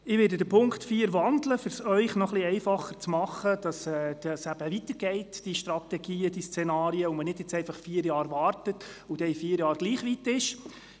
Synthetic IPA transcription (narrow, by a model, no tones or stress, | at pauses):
ɪʋɪːdədəpʰʊŋktfiːəɾʋɑndləfɪɾsœʏχnɔχliɛɪfɑχət͡smɑχəd̥ɑsɛːd̥ɑsæb̥əʋit̪əɾɡ̥ɛɪtd̥iʃtɾɑt̪ɛɡ̥iːəd̥ist͡sɛnɑːɾiəomənɪd̥jɛt͡sɛɪfɑχfiːəɾjɑːɾʋɑːrtətud̥ɛifiːəɾjɑːɾɡ̥liːχʋit̪ɪʃ